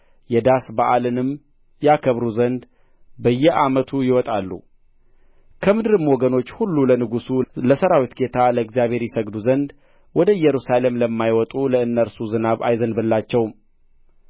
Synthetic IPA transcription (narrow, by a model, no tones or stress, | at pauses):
jɛd̪asbaʔalɨnɨm | jakʰəβɾuzənd̪ | bəjːɛʔamət̪ʰujɪwɔt̪ʼalːṵ | kʰəmɨd̪ɾɨmwɔɡəno̞t͡ʃːhulːulənɨɡusuləsəɾawit̪ɡe̞t̪ʰaləɨɡzjaβhe̞ɾjɪsəɡd̪uzənd̪ | wɔd̪əɨjɛɾusale̞mləmːajwɔt̪ʼuləɨnːəɾsuzɨnaβa̰jzənbɨlːat͡ʃːɛwm